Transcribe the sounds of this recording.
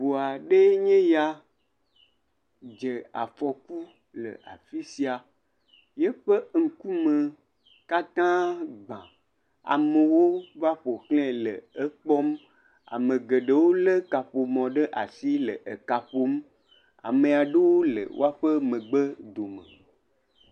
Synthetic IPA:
bo˨a˨ɖe˦ɲẽ˦ja˦ | d͡ʒe˨a̰˨fɔ˨ku˦ | lə̰˨a˨fi˦si˦a˨ | je˦ɸə˦ŋ̩˨ku˦mə˨ | ka˦t̪ã˦ɡ͡bã˨ | a̰˨mə˨wo˦va˦ɸo˨klẽ˦lə̰˨ə˦k͡pɔ˦m | a̰˨mə̃˨ɡə˨ɖə˨wo˦lə˦ka˨ɸo˨mɔ̃˨ɖə˦ʔa̰˨si˦lə˨ʔə˨ka˨ɸo˨m˦ | a̰˨mẽ˨a˨ɖə˦wo˦lə̰˨wo̰˦a˦ɸə˦mə̃˨ɡ͡bə˦d̪o˨mə̰̃˨

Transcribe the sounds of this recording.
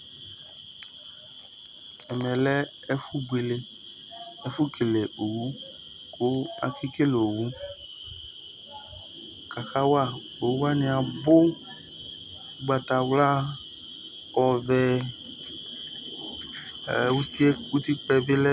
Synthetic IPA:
ɛ˨mɛ̃˨lɛ˦ | ɛ˦fu˦ɡ͡be˨le˨ | ɛ˦fu˦ke˨le˨ʔo˨wu˦ | ko˦a̰˨ki˦ke˦lo˨wu˦ | ka˨ka˦wa˦˨ | o˨wu˦wa˦nĩ˨a˨bo˦ | ɡ͡ba˨t̪a˨wla˦ | ɔ˨vɛ˨ | wu˦t̪i˦e˦ku˦t̪i˦k͡pɛ˨be˦lɛ˦

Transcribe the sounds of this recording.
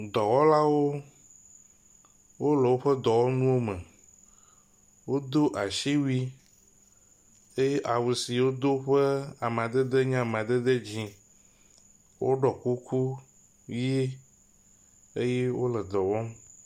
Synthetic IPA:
d̪ɔ˨wɔ˦la˦wo˦ | wo˦lɛ˨wo˦ɸɛ˦d̪ɔ˨wɔ˦nũ˦wo˦mɛ̃˨ | wo˦d̪o˦ʔa˨ʃi˦wi˦ | e˦je˦ʔa˨we˨si˨wo˦d̪o˦ɸɛ˦a˨m˨a˨d̪e˦d̪e˦ɲã˦˨m̃˨a˨d̪e˦d̪e˦d͡ʑĩ˨ | wo̰˦ɖɔ˨ku˦kʰu˦ | i˦e˦ | e˦je˦wo˦lɛ˨d̪ɔ˨wɔ˦m

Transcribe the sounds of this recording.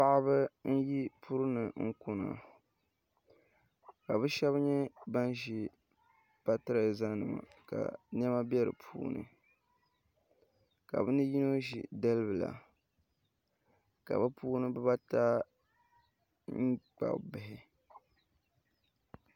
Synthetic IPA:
pa˦ʔbɨ˦n̩˦ji˦pʰu˦ɾɨ˦nɨ˨ŋ̩˦kʊ˦na̰˨ | ka˨bɨ˦ʃɛ˦βɲɛ˦ba˦n˦ʒi˦ | b̥a˦tɨ˦ɾa˨za˦nɨ˨ma̰˨ka̰˨nɛ˦ma˦bjɛ˦ɾɨ̰˨pʰuː˦nɨ̰˨ | ka˨bɨ˦nɨ˦ji˦no˦ʒḭ˨dɛ˦lɨ˦bɨ˨la̰˨ | ka̰˨bɨ˦puː˦nɨ˦bɨ˦ba˦ta˦ | ŋ̩˦k͡pa̰˨bɨ˨ɦɪ˨

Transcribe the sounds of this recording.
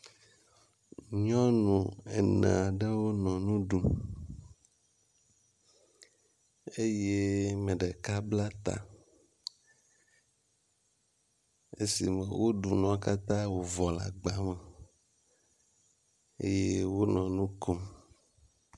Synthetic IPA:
ɲɔ̃˦nũ˨e˨nḛ̃˨a˨ɖe˦wo˦nɔ̃˨nũ˦ɖu˨ | e˦je˦mẽ˨ɖe˨ka˦bla˦t̪a̰˨ | e˦si˨mẽ˨wo˦ɖu˨nɔ̃˨a˦ka˦t̪ã˦wo˨vɔ˨la̰˨ɡ͡ba˨mẽ˨ | ḛ˦je˦wo˦nɔ̃˨nũ˦ko˦m

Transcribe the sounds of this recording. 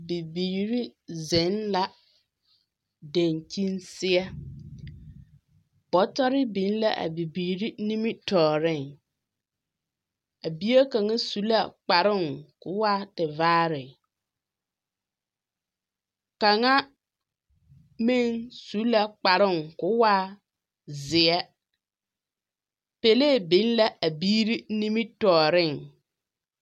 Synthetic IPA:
bi˨biː˨ɾi˦zɪ̃˨˦nla˦ | dã˨ɲtʰĩ˦nsɪ˦ɛ˦ | b̥ɔ˨˦tɔ˦ɾɪ˦bĩ˨˦n˦la˦ʔa̰˨bi˨biː˨ɾi˦nĩ˦mĩ˦tʰɔː˨ɾɪ̃˦˨n | a˨bi˦a˦kã˨ŋã˦su˦la˨k͡pa˨ɾɪ̃˦ŋkʊ˨˦wa˦tɪ˨vaː˦ɾɪ˨ | ka˨ŋa˦ | mɪ˦ŋsu˨˦la˨k͡pa˨ɾɪ˦˨ŋkʊ˨˦waː˦ | zɪ˨ɛ˦ | pe˨le˦˨bɪ˨˦n˦la˦ʔa˨biː˦ɾi˦ni˦mi˦tɔː˨ɾɪ˦˨ŋ

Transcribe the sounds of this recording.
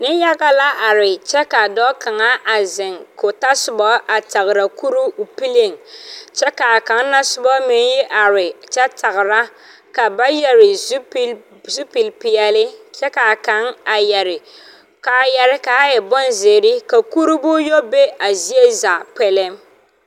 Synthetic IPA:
nɪ˦ja˦ɡa˦la˦ʔa˨ɾɪ˨t͡ʃɛ˦ka˨dɔ˦ka˨ŋa˦ʔa˨zɪ˨ŋko˨ta˦sʊ˨bɔ˦ʔa˨ta˨ɣɪ˨ɾa˨ku˦ɾu˦˨pi˦le˦˨ŋt͡ʃɛ˦ka˨a˨ka˨˦ŋ˦na˦sʊ˦bɔ˦mɪ˨njɪ˦ʔa˨ɾɪ˨t͡ʃɛ˦ta˨ɣɪ˨ɾa˦ | ka˨ba˦jɛ˨ɾɪ˨˦p | zu˦pi˨lpɪ˨ɛ˨lɪ˦t͡ʃɛ˦ka˨ka˦ŋa˨jɛ˨ɾɪ˨ | ka˨jɛ˨ɾɪ˦ka˨˦jɛ˨bɔ˦nze˨ɾɪ˦ka˨ku˦ɾu˦bʊ˦jo˦be˦a˨zi˦e˦za˨pɛ˦lɛ˦m

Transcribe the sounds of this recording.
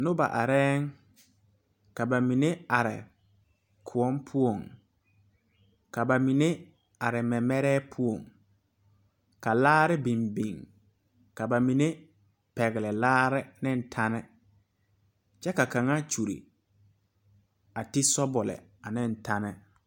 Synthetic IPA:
nʊ˦ba̰˨ʔa˨ɾɛː˦ŋ | ka˨ba˨mĩ˨nẽ˦a˨ɾɪ̰˨ | kʰʊ˨ɔ˦mpʰʊ˦o˨ŋ | ka˨ba˨mĩ˨ne˦ | a˨ɾɪ˨mɛ˨mɛ˦ɾɛː˦pʰʊ˦o˨ŋ | ka˨laː˦ɾɪ˦bĩ˨mbĩ˨ŋ | ka˨ba˨mĩ˨ne˦ | pɛ˨ɣɪ˨lɪ˨laː˦ɾɪ˦nɪ̃˦n̩˨tʰa˦nɪ˦ | t͡ʃɛ˦ka˨kã˨ŋa˦t͡ʃu˨ɾḭ˨ | a˨tɪ˦sɔ˦bɔ˨lɛ̰˨a˨nɪ̃˦n̩˨tʰa˦nɪ˦

